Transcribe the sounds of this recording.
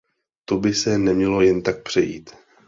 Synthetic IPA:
t̪obɪsɛnɛmɲɛlo̞jɛnt̪ak̚pr̥ɛjḭːt̪

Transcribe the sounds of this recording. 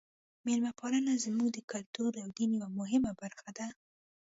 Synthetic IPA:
meɾmapɑlənazmuɡd̪əkʊlt̪uɾawd̪iniwamʊɦɪmabaɾxad̪a

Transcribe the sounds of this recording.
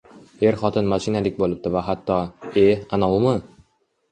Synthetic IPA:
e̞ɾχɒt̪ʰɪnmaʃinad̪ɪkʲbolˠɪp̚t̪ɪvaɦat̪ʰːɒeanawmʊ

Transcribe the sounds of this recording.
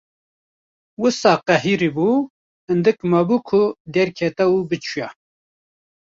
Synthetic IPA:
wɨsɑːqɛɦiɾibu | hɨnd̪ɨkmɐbukʰʊd̪ɛɾkʰɛt̪ɛwubɨt͡ʃʰuja

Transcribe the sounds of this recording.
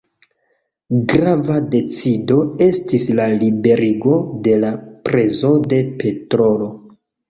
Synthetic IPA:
ɡɾavade̞t͡sido̞e̞stislalibe̞ɾiɡo̞de̞lapɾe̞zo̞de̞pe̞tɾo̞lo̞

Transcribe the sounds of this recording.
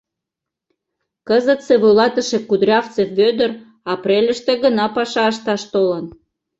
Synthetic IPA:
kəzət̪seβojlɑt̪əʃekud̪ɾʲɑft͡sefβød̪ər | ɑpɾʲelʲəʃt̪eɣənɑpɑʃɑəʃ̬t̪ɑʃt̪olən

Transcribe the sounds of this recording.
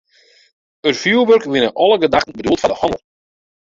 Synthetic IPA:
ərfjuːbørkʋɪnəʔɔlˠəɡədaxtn̩bədultfandəhɔnə̰lˠ

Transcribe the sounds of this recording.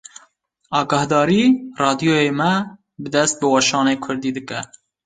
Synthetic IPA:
ɑːɡɑhd̪ɑːɾiːrɑːd̪ijoːjeːmɛ | bɨd̪ɛst̪̚bɨwɑʃɑːneːkʰʊɾd̪iːd̪ɨkɛ

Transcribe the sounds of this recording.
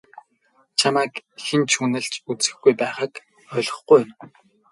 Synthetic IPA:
t͡ɕʰamæːkxĭnt͡ɕʰuːnɘ̆ɮt͡ɕut͡sɘ̆xɡujpæːχaːk | œɮʁɞ̆χɡujʊm

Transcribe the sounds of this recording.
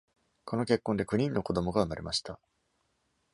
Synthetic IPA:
kʰo̞no̞ke̞kːõnd̪e̞kɯ̟ɲ̟ĩnːo̞ko̞d̪o̞mo̞ɡaɯ̟maɾe̞̰mʔaɕi̥t̪a

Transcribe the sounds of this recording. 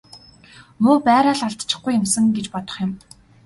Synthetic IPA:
mʊːpæːɾaːɮaɮt̪t͡ɕɪ̥̆χɡujːɪ̆msə̆ŋɡet͡ɕpɔt̪ɞ̆χjɪ̆m

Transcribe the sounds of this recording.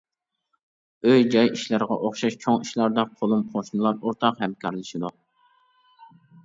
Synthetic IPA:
øjd͡ʒɑjiʃlæɾʁɑ̰ʔoχʃɑʃt͡ʃʰoŋiʃlˠɑɾd̪ɑqʰolˠumqʰoʃnɨlˠɑɾoɾt̪ʰɑqhɛmkʲʰɑɾlˠɨʃid̪u

